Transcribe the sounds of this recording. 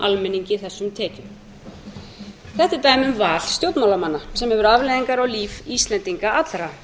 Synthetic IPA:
ʔalmɛnːiɲcɪθɛsːʏmt̪ʰɛːcʏm | θɛht̪ɪt̪aːjmʏmvaːl̥st̪jowt̪nmawlamanːasɛmhɛvʏɾavlejðiŋkaɾawliːvist̪lɛnt̪iŋkaat̪lɾa

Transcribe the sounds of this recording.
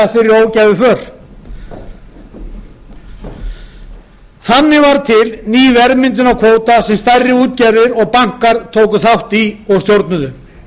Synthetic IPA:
afɪɾɪɾoːwcajvɪfœːɾ̥ | θanːɪvaɾt̪ʰɪlniːvɛɾmɪnt̪ʏnakʰvoːwt̪asɛmst̪ajrːɪuːt̪̚caɾðɪɾɔɣpaŋ̥kaɾt̪ʰoːwkʏθawht̪iɔɣst̪jowɾt̪nʏðʏ

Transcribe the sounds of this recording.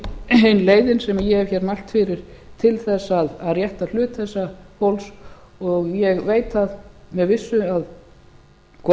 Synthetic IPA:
ejnleːjðɪnsɛmajɛɛv̥çɛɾmal̥t̪fɪɾɪɾ̥t̪ʰɪlθɛsːaðaðrjɛht̪al̥ʏːt̪θɛsːahowls | ɔɣjɛɣveːjt̪θaðmɛðvɪsːʏað | kʰ

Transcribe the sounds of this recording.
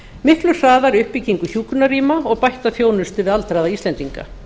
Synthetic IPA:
mɪhklʏsaːðaɾʏhpiciŋkʏθç̥uːkʏnariːmaɔɣpajht̪aθjoːwnʏst̪ʏvɪðalt̪ɾajðaisɛnt̪iŋka̰

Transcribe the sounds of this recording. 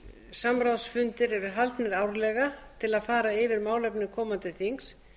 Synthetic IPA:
samɾawsfʏnt̪ɪɾɛɾʏɦalt̪nɛɾaːwɾlɛɣat̪ʰɪlaðfaːɾaɪvɪɾmaːwlɛpnʏkʰɔːmant̪ɪθiŋks

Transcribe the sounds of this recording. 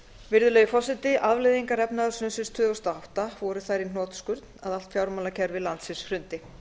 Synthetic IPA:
vɪɾðʏlɛːjɣʏfɔsɪnt̪ɪʔaðvlɪðiŋkaɾɛpnaðʏsʏnsɪnst̪ʰʏːðvʏst̪aɦawht̪avɔɾʏθajɾin̥ɔːt̪skʏɾt̪naðal̥t̪fjawɾmalacʰɛɾvɪlant̪sɪnsfɾʏnt̪ɪ

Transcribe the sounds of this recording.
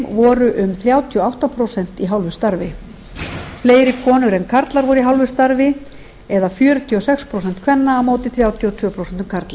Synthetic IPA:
vɔːɾʏʔʏmθɾjaːwt̪ʰiɔawht̪apʰɾowsɛn̥t̪iɦawlvʏ̥st̪aɾvɪ | fleːjɾɪkʰɔːnʏɾɛnkʰaɾt̪laɾvɔɾʏiɦawlvʏ̥st̪aɾvɪ | ɛðafjœːɾʏt̪ʰiɔsɛkspʰɾows̬ɛnt̪kʰvɛnːaːmoːwt̪ɪθɾjaːwt̪ʰiɔt̪ʰv̥ʏːɔpʰɾowsɛnt̪ʏmkʰaɾt̪la

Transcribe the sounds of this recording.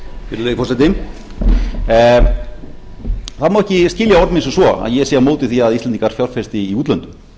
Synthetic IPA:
fɪɾɪlefɔslɛnt̪ɪm | θaðmawɛhcɪscɪːljaɔɾmɪnsɔsvɔa̰ðjɛsɛːamoːwt̪ɪθiːaðist̪ɛnt̪iŋkaɾ̥fjawɾ̥fɛ̥st̪ɪːuːt̪lœnt̪ʏ̥m

